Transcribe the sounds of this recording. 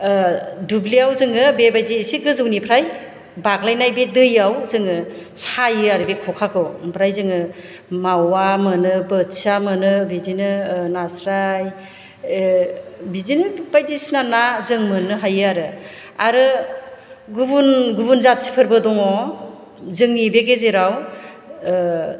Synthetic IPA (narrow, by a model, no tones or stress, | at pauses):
dubliawzɯŋɯbebajdiːsiɡɯzɯwnipʰɾaj | baɡlajnajbidɯjawzɯŋɯsajɯaɾɯbikʰɔkʰakʰɯwpʰɾajzɯŋɯ | mawamɯnɯbɯtsamɯnɯbidinɯnasɾaj | bidinɯbajdisnanazɯŋmɯnɯɦajɯaɾɯ | aɾɯ | ɡubunɡubunzat̚si̥pʰɯɾbɯdɔŋɔ | zɯŋnibeɡezeɾaw